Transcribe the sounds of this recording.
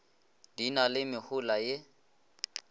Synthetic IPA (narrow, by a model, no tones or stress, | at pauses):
d̥inalɪmɪhʊlaje